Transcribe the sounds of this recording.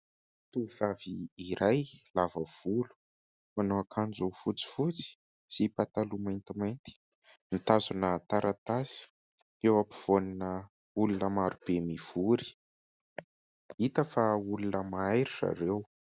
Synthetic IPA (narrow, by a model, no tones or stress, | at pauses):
t̪uvaviːɾajlavəv̥ulu̥ | manoakʰand͡zufut͡si̥fut͡si̥ | t͡sipat̪alumant̪imajnt̪i̥ | nit̪azunət̪aɾʔat̪azi̥ | ewapi̥v̥oninə | ulunəmaɾub̥emiv̥uɾi̥ | it̪əfaulunəmaajɾira̰ɾew